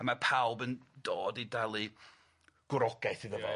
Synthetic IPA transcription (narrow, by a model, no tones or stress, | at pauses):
amapʰawbəndoːdidalˠɨ | ɡ̥ʊɾɔɡ̥ɛθiðəvɔ̰